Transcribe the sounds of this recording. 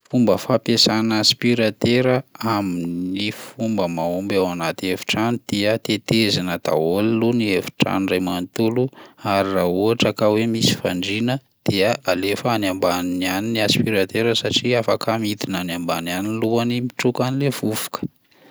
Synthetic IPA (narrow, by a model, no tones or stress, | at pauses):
fumbəfapesanaspiɾat̪eɾəaminnifumbəmaumbawanat̪iefi̥ʈ͡ʂanid̪̥iət̪et̪ezinəd̪̥a̰oliluniefi̥ʈ͡ʂa̰nirajmant̪uluaɾirauaʈ͡ʂakawemisi̥faɳɖ͡ʐinə | d̪̥iəʔalefəanjambannianiniaspiɾat̪eɾəsaʈ͡ʂiafakamit̪inanjambananinluanimiʈ͡ʂukanilev̥ufu̥kə̥